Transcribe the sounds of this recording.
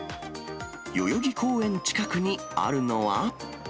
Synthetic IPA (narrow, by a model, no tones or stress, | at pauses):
jo̞joɡʲiko̞ːẽ̞ɲ̟t͡ɕi̥kakɯ̟ɲ̟i | a̰ɾɯ̟no̞βa